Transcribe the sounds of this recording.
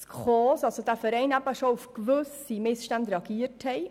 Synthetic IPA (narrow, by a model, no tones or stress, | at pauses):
skχɔːsɑlsod̥æːfəɾɛɪnæbəʃoufkʋʏsimɪsʃtændɾeɑɡ̥iːəthɛɪ